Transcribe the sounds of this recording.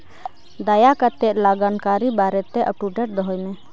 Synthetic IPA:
d̪ajakat̪ɛʔ̚laɡankaɾibaɾɛt̪ɛʔəpuɖɛʈ̚d̪ɔɦɔjmɛ

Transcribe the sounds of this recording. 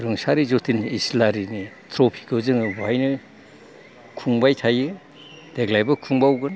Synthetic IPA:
ɾɯŋsaɾizotʰinislaɾini | tʰɾopʰi̥kɯzɯŋbajnɯ | kʰuŋbajtʰajɯ | d̥eɡlajbɐkʰuŋbawɡɯn

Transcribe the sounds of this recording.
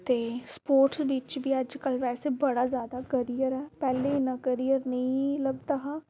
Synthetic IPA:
t̪eːspoːɾʈsbit͡ʃʋiːəd͡ʒkəlʋɛːseːbəɽazjaːd̪aːkəɾijəɾɦɛːpɛːlenakəɾijəɾnəĩləbt̪aɦaː

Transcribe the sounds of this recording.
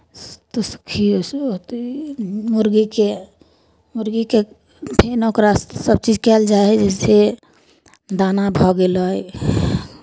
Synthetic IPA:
t̪oskʰist̪ | muɾɡike | muɾɡike | pʰenokɾasəb̚t͡ʃid͡ʒkɛld͡ʒad͡ʒɛse | d̪anabʱɔɡeləj

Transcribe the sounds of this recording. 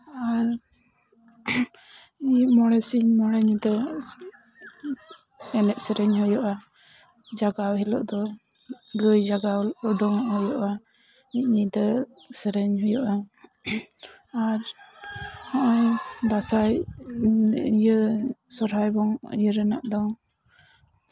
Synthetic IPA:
aɾ | imɔɽɛsiɲmɔɽɛɲit̪ə | ɛnɛʔ̪səɾɛɲhɔjɔʔa | d͡ʒaɡawɦilɔ̰ʔd̪ɔ | ɡəjd͡ʒaɡawəɖɔŋhɔjɔʔa | it̪̚ɲit̪əsəɾɛɲɦɔjɔʔa | aɾ | haʔajd̪asaj | ijəsɔɾɦajbɔŋḭjəɾɛna̰ʔd̪ɔ

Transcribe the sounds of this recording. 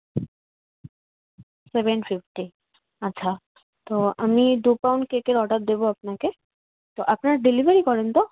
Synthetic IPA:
sebenfifʈi | aːɕʰa | t̪oamid̪upawɳɖkekeɾɔʈaɾ̚d̪eboap̚nake | t̪oʔapnaɾɖilibʱeɾikɔɾent̪o

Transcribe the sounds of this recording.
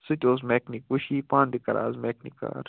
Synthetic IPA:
sɨt̪ʲoːs̬meknikuʃiːpãːnd̪ikɐɾa̰ːzmeːknika̰ːɾ

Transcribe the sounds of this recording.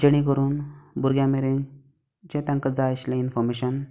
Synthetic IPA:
d͡ʑəɽ̃ikəɾuːnbuɾɡjãmeɾẽn | t͡ɕẽt̪ãŋkəd͡zaɕlẽinfɔɾmeɕən

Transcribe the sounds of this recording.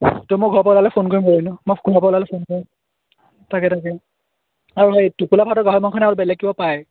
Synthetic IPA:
tumɔɡʱɔɹpɔlalɛpʰonkoɹimkoɹinʊmoɡʱɔɹɔpɔlalɛpʰonkoɹim | takɛtakɛ | aɹuɦejtupulapʰatɔɡaɦɔmɔnkʰɔnɛaɹubɛlɛk̚ːibɔpaj

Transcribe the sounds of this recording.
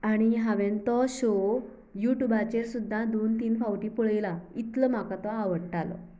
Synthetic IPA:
aɽ̃iɦaʋẽnt̪ɔɕo | juʈubat͡ɕeɾsud̪ʱːad̪ont̪iːnfawʈiːpuɭjlait̪ləm̤akat̪ɔaʋəɽʈalɔ̰

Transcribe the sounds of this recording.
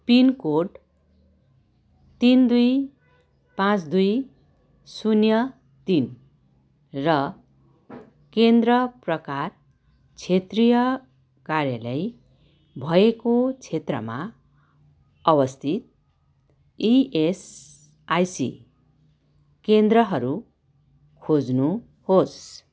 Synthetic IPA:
pinkoɖ | t̪ind̪uj | pãt͡sd̪uj | sunjʌ | t̪in | rʌ | kend̪rʌprʌkar | t͡sʰet̪rijʌ | karjalʌj | bʱʌekot͡sʰet̪rʌ̰ma | ʌbʌst̪ʰit̪̚ | ies | ajsḭ | kend̪rʌɦʌɾu | kʰod͡znu | hos

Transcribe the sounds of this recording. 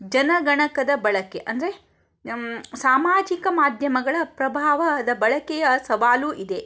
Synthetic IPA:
d͡ʒɐnɐɡɐɳɐkɐd̪ɐbɐɭɐkeʔɐnd̪ɐɾe | saːmaːd͡ʒikɐmaːd̪ʱjɐmɐɡɐɭɐpɾɐbʱaːʋɐd̪ɐbɐɭɐkɛjɐsɐʋaːluʔid̪e

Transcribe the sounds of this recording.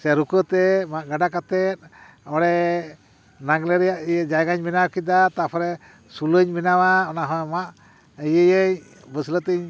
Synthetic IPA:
sɛɾukət̪ɛmaʔɡaɖakat̪ɛt̪̚ | ɔɽɛ | naɡlɛɾɛjaʔijəd͡ʒajɡaɲminawkid̪at̪apʰɔɾɛ | suləɲminawaɔnaɦɔ̃maʔ | əjəjəɲ | bəslət̪əɲ

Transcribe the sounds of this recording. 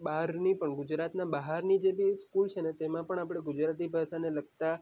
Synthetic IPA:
baɦɾnipəɳɡʊd͡ʒɾat̪nabəɦaɾnid͡ʒebiskult͡ʃʰenet̪emãpəɳapɽ̃eɡud͡ʒɾat̪̬ibʱaʃaneləɡt̪a

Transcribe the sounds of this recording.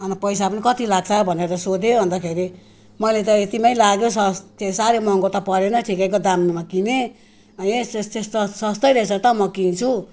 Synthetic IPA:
ʌnpʌjsapʌnikʌt̪ilaɡ̚t͡sʰʌbʱʌneɾʌsod̪ʱobʱʌnd̪akʰeɾi | mʌlet̪ʌet̪imajlaɡjosʌst̪esaɾemʌŋkot̪ʌpʌɾenʌʈʰikakod̪amnumakine | ʌesst̪est̪ʌsʌst̪ʌjɾʌt͡sʰʌt̪ʌmʌkint͡sʰu

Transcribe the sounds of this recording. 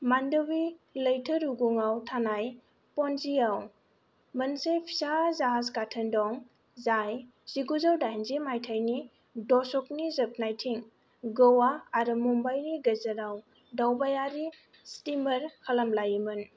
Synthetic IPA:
mandɔwiləjtʰəɾuɡuŋawtʰanaj | pɔnziaw | mɐnsejpʰi̥sazaɦazkatʰɐndɔŋ | zaj | z̥iɡuzawdanzimajtʰajni | dɔsɔk̚nizɐp̚najtʰiŋ | ɡəwaːɾɯmumbajniɡɐzɐɾaw | dawbajaɾi | stimɐɾkʰalamlajimɯn

